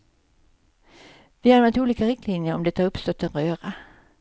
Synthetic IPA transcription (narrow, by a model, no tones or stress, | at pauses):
vɪhanvɛnt̪uːliːkaɾɪkt̪linjəɾɔmd̪ɛt̪ːaɵpst̪ɔt̪ːɛnʁøːʁa